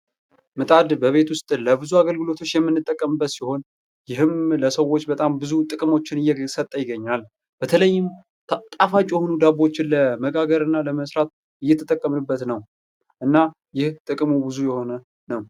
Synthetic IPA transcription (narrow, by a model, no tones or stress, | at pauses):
mɨt̪ʼad̪bəβe̞t̪wʊst̪ʼləbɨzuaɡəlɡɨlo̞t̪ʰo̞t͡ʃːjɛmːɨnːɨt̪ʼːəkʼːəmɨbːət̪siho̞n | jɪɦɨmləsəwːo̞t͡ʃːbət̪ʼambɨzut̪ʼɨkʼɨmo̞t͡ʃːɪnɨjːɛsət̪ʼːəjɪɡːəɲːal | b̥ət̪ʰələjːɪm | t̪ʼafat͡ʃʼːjɛhonud̪abo̞t͡ʃːɪnləməɡaɡəɾɨnːaləməsɾat̪̚ | ɨjːɛt̪ʰə̥t̪ʼəkʼːəmɨbːət̪nəw | ʔɨnːa | jɪht̪ʼɨkʼmubɨzujɛho̞nə | nəw